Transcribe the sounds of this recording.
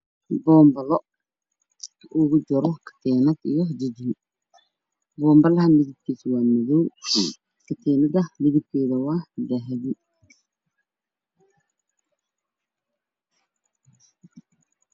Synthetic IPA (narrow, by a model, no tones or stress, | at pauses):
bɔːmbɐlɔ | kʰɐʔʊɣʊd͡ʒɔɾɔkʰɐ̥t̪ʰɛːnɐd̪ḭjɔd͡ʒɪd͡ʒɪn | bɔːmbɐlɐɦɐmɪðɪb̚kʰiːswaːmɪðɔw | kʰɐt̪ʰɛːnɐdɐmɪðɪb̚kʰɛːðɐwahd̪ɛɦɛði